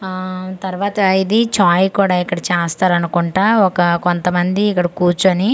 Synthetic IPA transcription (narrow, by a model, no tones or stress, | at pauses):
t̪ɐɾʋaːt̪ɐid̪it͡ʃaːjkuːɽaːikːɐɽɐt͡ʃɛːst̪aːɾɐnukuɳʈaːɔkɐkont̪ɐmɐnd̪iːkːɐɽɐkuːt͡ʃuɐni